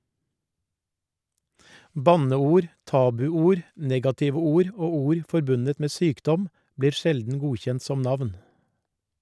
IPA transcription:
ˈbɑnəˌuːɾ ˈtɑːbʉˌuːɾ ˈnɛɡɑtɪʋə ˈuːɾ ˈoː ˈuːɾ fɔɾˈbʉnət ˈmeː ˈsyːkˌdɔm ˈbliːɾ ˈʃɛldn̩ ˈɡuːçɛnt ˈsɔm ˈnɑʋn

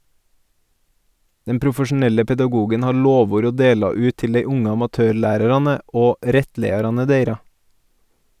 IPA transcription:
ˈdɛm pɾʊfəʃn̩ˈɛlə pɛdɑˈɡuːɡən ˈhɑːɾ ˈloːˌʋuːɾ ˈoː ˈdeːlɑ ˈʉːt ˈtɪl ˈdeɪ ˈʊŋə ɑmɑˈtøːˌɭæːɾəɾɑnə ˈoː ˈɾɛtˌleɪɑɾɑnə ˈdeɪɾɑ

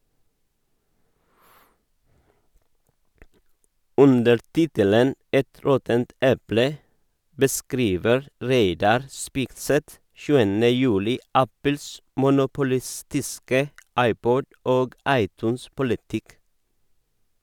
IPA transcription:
ˈʉndəɾ ˈtɪtələn ˈɛt ˈɾɔtənt ˈɛplə bəˈskɾiːʋəɾ ˈɾeɪdɑɾ ˈspɪkˌsɛt ˈʃʉːənə ˈjʉːlɪ ˈæpəls mʊnʊpʊˈlɪˌstɪskə ˈɑɪˌpɔd ˈoːɡ ˈɑɪˌtʉːnˌspʊlɪtɪk

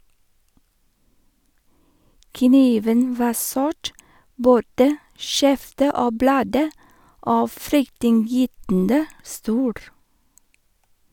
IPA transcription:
kəˈniːʋən ˈʋɑː ˈsʊʈ ˈboːdə ˈʃɛftə ˈoː ˈblɑːdə ˈoː ˈfɾʏktɪnˌjyːtn̩də ˈstuːɾ

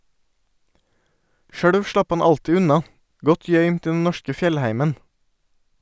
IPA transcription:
ˈʃøːɽʋ ˈʃlɑp ˈhɑn ˈɑltɪ ˈʉnɑ ˈɡɔt ˈjœʏmt ˈiː ˈdɛn ˈnɔʃkə ˈfjɛlˌhæɪmən

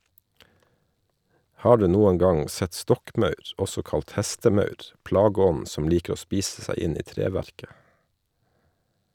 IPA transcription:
ˈhɑː ˈɖʉː ˈnuːən ˈɡɑŋ ˈsɛt ˈstɔkˌmɑʉɾ ˈɔsɔ ˈkɑlt ˈhæstəˌmɑʉɾ ˈplɑːɡəˌɔnn̩ sm̩ ˈliːkɾ̩ ˈoː ˈspiːss̩ ˈsæɪ ˈɪn ˈiː ˈtɾeːʋæɾkə

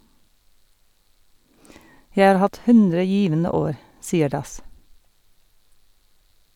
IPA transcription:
ˈjæɪ ˈɑːɾ ˈhɑt ˈhʉndɾə ˈjiːʋənə ˈoːɾ ˈsiːəɾ ˈdɑs

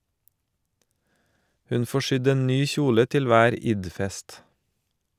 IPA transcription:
ˈhʉn ˈfoː ˈʃʏd ˈeːn ˈnyː ˈçuːlə ˈtɪl ˈʋæːɾ ˈɪdˌfɛst

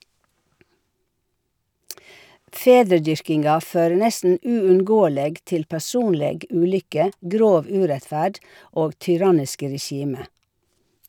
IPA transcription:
ˈfeːdɾəˌdʏɾkɪnɡɑ ˈføːɹə ˈnɛstn̩ ˌʉːʉnˈɡoːəleːɡ ˈtɪl pæˈsuːnleːɡ ˈʉːˌlʏkə ˈɡɾoːʋ ˈʉːɾɛtˌfæːɖ ˈoːɡ tʏˈɾɑnɪskə ɾɛˈʃiːmə

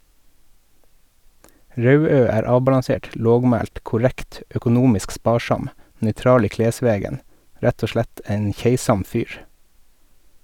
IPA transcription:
ˈɾɑʉˌøː ˈæːɾ ˈɑːbɑlɑˌseːʈ ˈloːɡˌmæːlt kʊˈɾækt œkʊˈnuːmɪsk ˈspɑːˌʃɑm nœʏˈtɾɑːl ˈiː ˈkleːˌsʋeːɡən ˈɾæt ˈoː ˈʃlæt ˈæɪn ˈçeɪsɑm ˈfyːɾ

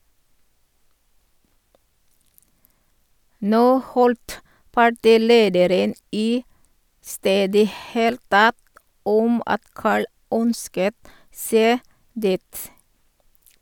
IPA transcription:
ˈnoː ˈhɔlt pɑˈʈiːˌleːdəɾən ˈiː ˈsteːdə ˈheːlt ˈtɛt ˈɔm ˈɑt ˈkɑːɭ ˈœnskət ˈseː ˈdiːt

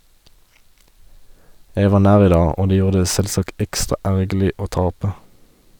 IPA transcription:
ˈjæɪ ˈʋɑː ˈnæːʁ ˈiː ˈdɑː ˈoː ˈdeː ˈjuːʁ ˈdeː ˈsɛlˌsɑkt ˈɛkstʁɑ ˈæʁɡl̩ɪ ˈoː ˈtɑpə

